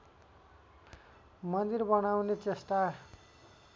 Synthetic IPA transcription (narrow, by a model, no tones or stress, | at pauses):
mʌnd̪irbʌnawnet͡sesʈa